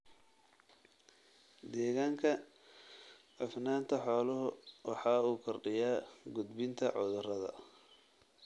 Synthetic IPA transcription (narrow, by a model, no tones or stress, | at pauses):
d̪ɛːɣaːŋkʰɐ | ʕʊfnaːnt̪ʰɐħɔːlʊɦʊwɑħɑːuːkʰɔrɖɪjaːɡʊd̪bɪnt̪ʰɐʕʊðʊrɐðɐ̰